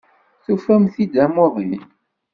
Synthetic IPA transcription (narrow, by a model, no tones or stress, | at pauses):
θufæmθid̪æmʊðˤḭn